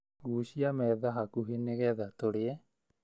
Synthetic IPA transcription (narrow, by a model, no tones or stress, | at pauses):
ɣuːɕiamɛːðaɦakuɦeneɣɛðat̪oɽeɛ